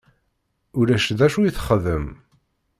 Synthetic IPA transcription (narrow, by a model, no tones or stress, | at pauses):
ʊɾæʃðæʃujiθə̥χəðəm